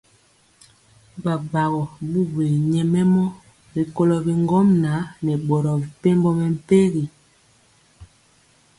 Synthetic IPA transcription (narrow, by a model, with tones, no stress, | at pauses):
ba˨ba˨ɣɔ˨bu˦be˨ɲɛ˨mɛ˦mɔ˦ | bi˨ko˦lɔ˨bi˨ŋɡɔ˦mna˨˦nɛ˨ɓɔ˨ɾɔ˨bi˨pe˦mbɔ˦mɛ˨m̩˦˨pe˦ɣi˨